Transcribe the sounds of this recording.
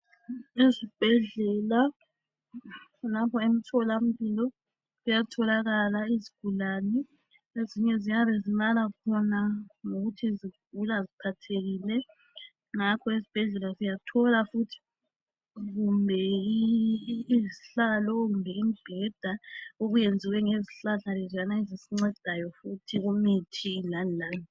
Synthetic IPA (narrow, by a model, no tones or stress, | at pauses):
ezib̥ʱɛɮɛla | lapʰɔem̩tʰɔlam̩βilɔ | ɣujatʰɔlaɣalaiziɡ̥ʱulaːnɛ | eziɲɛziŋaβezinalakʰɔnaŋoɣutʰiziɡ̥̚ʱulazipʰatʰeɣiːlɛ | ŋakʰɔezib̥ʱɛɮɛlazijatʰɔlafutʰi̥ | ɣumbʱɛ | ziɬalɔɣumbʱɛimib̥ʱɛd̥ʱaoɣujend͡zʱiwɛŋeziɬaɮalɛzanaezisiŋ͡ǀɛd̥ʱajɔfutʰiɣumitʰiːlanlaːni